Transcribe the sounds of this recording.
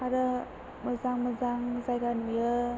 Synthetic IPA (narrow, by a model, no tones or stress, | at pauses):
aɾə | məzaŋməzaŋzajɡanujə